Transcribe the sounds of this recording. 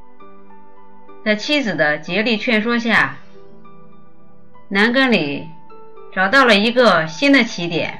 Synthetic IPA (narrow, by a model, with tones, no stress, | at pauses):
t͡sa˥˧ɪt͡ɕʰi˥d͡zɹ̩˨˩d̪ə˦t͡ɕjɛ˧˥li˥˧t͡ɕʰɥɛ˥˩nʂwɔ˥ɕ̬ja˥˩ | na˧˥nkə˥ŋli˨˩˦ | ʈ͡ʂɑ˨˩ʊt̪ɑ˥˩ʊlə˩i˧˥ɡə˥˧ɕi˥nd̪ə˨t͡ɕʰi˧˥t̪jɛ̰˨˩˦n